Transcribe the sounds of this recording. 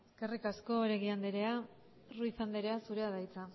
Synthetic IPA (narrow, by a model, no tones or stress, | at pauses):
eske̞rikasko̞ɾe̞ɣiand̪eɾe̞a | ruiθand̪eɾe̞asuɾe̞aðajt͡sa